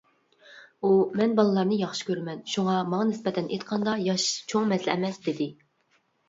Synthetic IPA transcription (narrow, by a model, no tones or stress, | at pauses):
umɛnbɑlˠɨlˠɑɾnɨjɑχʃi̥kʲʰøɾmɛnʃuŋɑmɑŋɑnɪspɛt̪ʰɛnʔet̪qʰɑnd̪ɑjɑʃt͡ʃʰoŋmɛslɛmɛsd̪ɪd̪ɪ